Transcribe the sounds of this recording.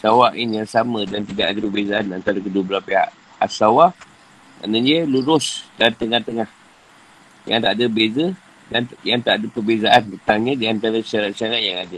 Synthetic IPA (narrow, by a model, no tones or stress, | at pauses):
sawaʔɪnjaŋsamə̃dant̪idaʔadəpərbezaʔanant̪aɾakədubəlapeɦa̰ʔ | a̰sawa | ma̰ʔnə̃ɲiəluɾʊsdant̪əŋaht̪əŋah | jaŋt̪aʔadəbezə | danjaŋt̪aʔadəpərbezaʔant̪ət̪aŋɲə̃diant̪aɾaʃaɾat̪̚ʃaɾaʔ̪̚jaŋada